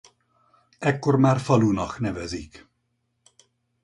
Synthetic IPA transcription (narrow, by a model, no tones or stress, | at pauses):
ɛkːo̞rmaːrfɒluːnɒknɛvɛzik